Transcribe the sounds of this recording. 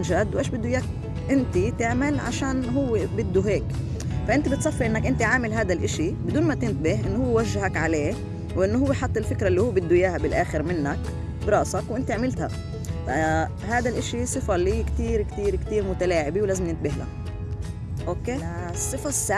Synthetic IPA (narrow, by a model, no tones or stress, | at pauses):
ʒad̪wʔeːʃbɪd̪ːujaːk̚ | ʔɪnt̪it̪ɪʕmɪlʕa̰ʃaːnɦʊwːebɪd̪ːuɦeːk | faʔɪnt̪ibɪt̪sˤɑfːɑɾʔɪnːakʔɪnt̪iʕaːmɪlɦaːd̪alʔɪʃibɪd̪uːnmat̪ɪnt̪bɪhʔɪnːohʊwːewaʒːaɦakʕaleː | wʔɪnːoɦʊwːeħɑt̪ˤːɪlfɪkɾaʔɪlːihʊwːbɪd̪ːujaːhabɪlʔaːxɪɾmɪnːak | bɾˤɑːʔsɑkwʔɪnt̪iʕmɪlt̪ha̰ | fa | ɦaːd̪alʔɪʃisˤɨfalːiːkt̪iːɾkt̪iːɾkt̪iːɾmʊt̪alaːʕɪbiwlaːzɪmnɪnt̪̚bɪɦla̰ | ʔokeːsˤːɨfasːa